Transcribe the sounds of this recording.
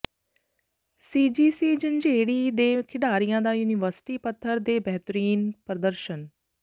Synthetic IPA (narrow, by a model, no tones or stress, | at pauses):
siːd͡ʒiːsiːd͡ʒənd͡ʒeːɽiːd̪eːkʰɪɖaːɾijãːd̪aːjuːnɪʋəɾsɪ̥ʈiːpət̪ʰːəɾd̪eːbɛɦt̪əɾiːnpɾəd̪əɾʃən